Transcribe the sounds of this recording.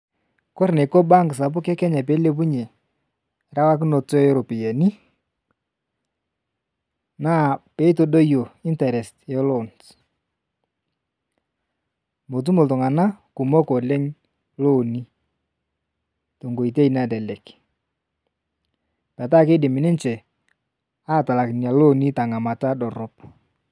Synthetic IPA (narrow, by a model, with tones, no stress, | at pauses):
kɔ˦ɾne˨kɔ˦ba˦ŋɡɪ˨s̬a˨p̬ʊ˦kɛ˦kɛ˦ɲa˨p̬e˨˦le˦p̬u˦ɲe˨ | ɾa˦wa˦k̬ɪ˦nɔ˨tɔ˦jɾo˨pi˨je˨ni˦ | na˦˨pe˨˦to˦do˦jo˨ɪ˦ntɛ˨ɾɛ˨stɛ˦lo˦˨nt | mo˨t̬u˦mo˨ltʊ˨ŋa˨na˦ku˨mo˦ko˨le˦ŋ | lo˦˨ni˦ | to˨ŋɡo˨i˨t̬e˦i˨na˦˨dɛ˨lɛ˨k | pɛ˨t̬a˦ke˦dɪ˨mɪ˨nɪ˦nt͡ʃɛ˨ | a˦˨ta˨la˨kɪ˨nja˨lo˦˨ni˦ta˨ŋa˨ma˨ta˦dɔ˨ɾɔ˦p